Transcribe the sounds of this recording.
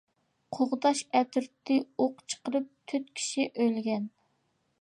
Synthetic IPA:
qʰoʁd̪ɑʃɛt̪ʰyɾt̪ʰːɨoqt͡ʃʰə̥qəɾɨp̚t̪ʰyt̪kʲʰi̥ʃiʔølɡʲɛn

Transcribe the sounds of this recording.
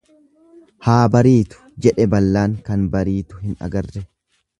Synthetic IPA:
haːbɐɾiːt̪ʊ̥d͡ʒɛᶑɛbɐlːaːŋkɐnbɐɾiːt̪ʊɦɪnɐ̰ɡɐrːɛ

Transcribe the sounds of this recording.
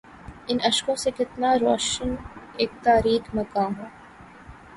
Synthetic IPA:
ɪnɐʃkõːsekɪt̪naːɾɔːʃəneːk̚t̪aːɾiːkmɐkaːmõː

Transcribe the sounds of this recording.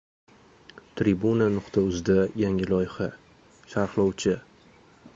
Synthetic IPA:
t̪ʰɾibunanʊqt̪ʰaʊzd̪ajaŋɪlɒjχa | ʃaɾhlˠɒwt͡ʃʰɪ

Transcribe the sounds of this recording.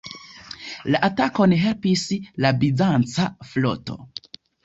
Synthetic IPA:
laʔatako̞nɦe̞lpislabizant͡saflo̞̰to̞̰

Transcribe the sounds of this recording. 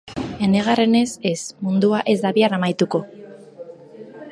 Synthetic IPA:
e̞ne̞ɣ̞are̞ne̞se̞smund̪uaʔe̞zd̪aβiaɾamajt̪uko̞

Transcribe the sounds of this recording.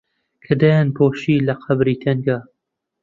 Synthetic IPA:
kʰɐd̪ajanpʰoːʃiːlɐqʰɐbɾiːt̪ʰɐŋɡaː

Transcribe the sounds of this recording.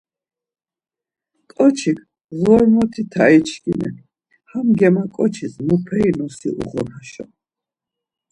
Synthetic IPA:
kʼɔt͡ʃʰikʰ | zɔɾmɔt̪ʰit̪ʰait͡ʃʰkinɛ̰ | hamɡɛmakʼɔt͡ʃʰizmupʰɛinɔsḭʔṵʁɔnaʃɔ̰

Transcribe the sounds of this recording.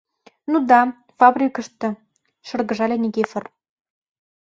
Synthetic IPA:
nud̪ɑ | fɑbrʲikə̆ʃt̪ɤ̆ | ʃɤ̆rɣɤ̆ʒɑlʲenʲeɡefə̆r

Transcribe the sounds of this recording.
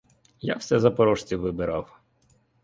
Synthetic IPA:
ja̰wsɛzɐpɔɾɔʃt͡sʲiʋɪbɪɾɑw

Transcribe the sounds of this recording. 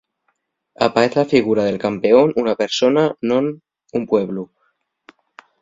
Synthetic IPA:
a̰paeθlafiɣ̞uɾaðelkampe̞onunape̞ɾsonanon | umpweβ̞lu

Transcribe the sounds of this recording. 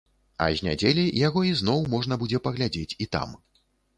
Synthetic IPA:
ɐ̰ʒʲnʲa̰d͡zʲelʲijaɣɔiznɔwmɔʐnɐbud͡zʲɛpɐɣlʲad͡zʲet͡sʲit̪a̰m

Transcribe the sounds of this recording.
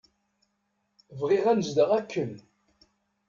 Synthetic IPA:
vʁiʁænəzd̪əʁækːən

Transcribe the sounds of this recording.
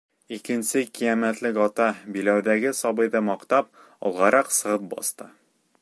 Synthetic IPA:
ikɘ̆nsɘkijæmæt̪lɘkɒt̪ɑbilæwd̪æɡɘsɒbɤ̆jðɤmɒqt̪ɑp̚ | ɒ̰lˠʁɑɾɑqsɤ̆ʁɤp̚bɒ̰st̪ɤ

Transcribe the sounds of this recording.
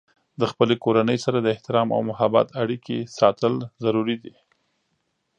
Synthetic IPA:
d̪əxpəlekoɾanəjsaɾad̪əɪht̪ɪɾɑma̰wmʊhaba̰t̪aɽikesɑt̪əlzaɾuɾid̪i

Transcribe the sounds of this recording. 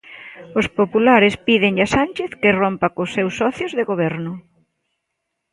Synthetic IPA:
ospopulaɾɪspiðɪŋʎasanʲt͡ʃeθkɪrompakosːewsːɔθjozðeɣoβ̞ɛɾnʊ

